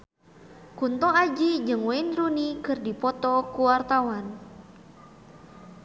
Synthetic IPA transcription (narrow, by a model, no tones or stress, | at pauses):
kunt̪ɔad͡ʒid͡ʒɨŋwɛɪnrunikɨrdipɔt̪ɔkuwart̪awan